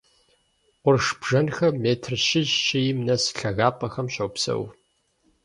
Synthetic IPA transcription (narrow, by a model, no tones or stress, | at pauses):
qʷʊrʂbʐɐnxɐmeːtʰrʃɪʑt͡ʃɪjɪmnɐsɬɐɣaːpʼɐxɐmɕɐwpsɐ̰w